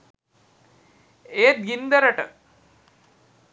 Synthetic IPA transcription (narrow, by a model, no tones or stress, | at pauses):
eːt̪̚ɡind̪ɐɾɐʈə̰